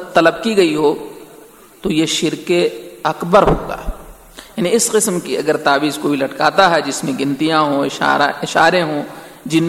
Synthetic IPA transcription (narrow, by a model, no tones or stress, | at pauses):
t̪ɐləbkiɡɐiɦoː | t̪ojeʃɪɾkeɐkbəɾɦo̰ːɡa̰ː | jaːniɪsqɪsmkiɐ̰ɡəɾt̪aːbiːzkobʱilɐʈkaːt̪aɦɛd͡ʒɪsmẽɡɪ̃nt̪ijãɦõɪʃa̰ːaɪʃaːɾeɦõːd͡ʒɪn